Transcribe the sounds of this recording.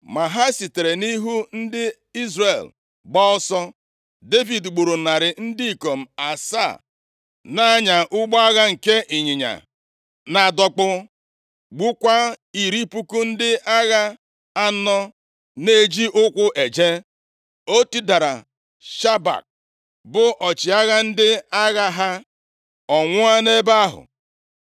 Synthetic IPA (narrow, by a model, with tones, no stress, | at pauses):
ma˨ɦa˦si˨te˨ɾe˨ni˦ɦu˦n̩˦dɪ˦ | i˦zre˨l | ɡ͡bɔ˦ɔ˦sɔ˦ | de˦vi˨dɡ͡bo˨ɾo˨na˨ɾɪ˨n̩˦di˦i˨ko˨m̩˨a˨sa̰˦˨ | na˦a˦ɲa˨ʔʊ˦ɡ͡bɔ˦a˦ɣa˦ŋ̩˨ke˦ʔi˨ɲɪ˨ɲa̰˨ | na˨dɔ˦k͡pʊ˦ | ɡ͡bu˦kʷa˦i˨ɾi˦pu˦ku˦n̩˦dɪ˦ʔa˦ɣa˦ | a˦nɔ˦ | ne˦˨d͡ʒi˦ʔʊ˦kʷʊ˦ʔe˨d͡ʒe˦ | o˦ti˦da˨ɾa̰˨ | ʃa˦ba̰˨k̚ | bʊ˦ʔɔ˨t͡ʃɪ˨a˦ɣa˦n̩˦dɪ˦a˦ɣa˦ɦa˦ | ɔ˨ŋʷʊ˦a˦ne˦ba˦ɦʊ̰˨